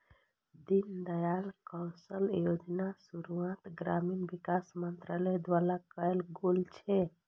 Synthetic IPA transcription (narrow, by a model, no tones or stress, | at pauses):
d̪ind̪əjalkɔwsəljod͡ʒnasuɾuãt̪ɡɾaminbikasmənt̪ɾaləjd̪ʋalakəelɡolt͡ʃʰɛ